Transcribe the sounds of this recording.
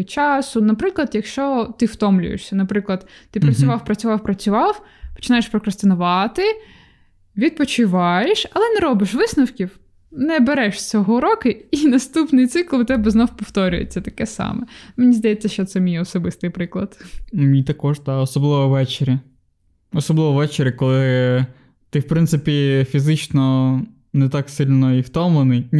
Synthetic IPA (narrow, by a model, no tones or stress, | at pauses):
t͡ʃɑsʊnɐpɾɪklˠɐd̪jɐkʃt͡ʃɔt̪ɪwt̪ɔmlʲʊ̰jḛʃsʲɐnɐpɾɪklˠɐd̪t̪ɪpɾɐt͡sʲʊʋɑwpɾɐt͡sʲʊʋɑwpɾɐt͡sʲʊʋɑw | pɔ̥t͡ʃɪnɑjeʃpɾɔkɾɐst̪ɪnʊʋɑt̪ɪ | ʋʲid̪̚pɔt͡ʃɪʋɑjeʃɐlˠɛnɛɾɔbɪʃʋɪsnɐwkʲiw | nɛbeɾɛʃt͡sʲɔɦɔɾɔkɪinɐst̪upnɪjt̪sɪklˠt̪ɛbɛznɔwpɔwt̪ɔɾʲʊ̰jḛt͡sʲːɐt̪ɐkɛsɑ̰mɛmenʲizd̪ɐjɛt͡sʲːɐʃt͡ʃɔt̪sɛmʲijɔsɔbɪst̪ɪjpɾɪklˠɐd̪mʲijt̪ɐkɔʒd̪ɑɔsɔblˠɪʋɔʋɛt͡ʃeɾʲi | ɔsɔblˠɪʋɔʋɛt͡ʃeɾʲɐkɔlˠɪ | t̪ɪwpɾɪnt̪sɪpʲifʲizɪt͡ʃnɔ | nɛt̪ɑksilʲnɔiwt̪ɔmɔnɪjʲ